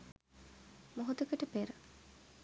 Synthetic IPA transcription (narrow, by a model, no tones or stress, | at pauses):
moɦut̪əkəʈəpeɾə